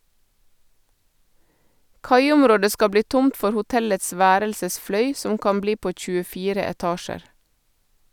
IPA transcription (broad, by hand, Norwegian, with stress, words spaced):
ˈkɑɪʊmˌɾoːdə ˈskɑ ˈbliː ˈtʊmt ˈfɔɾ hʊˈtɛləts ˈʋæːɾəlsəsˌflœʏ ˈsɔm ˈkɑm ˈbliː ˈpoː c͡çʉəˈfiːɾə ɛˈtɑːʃəɾ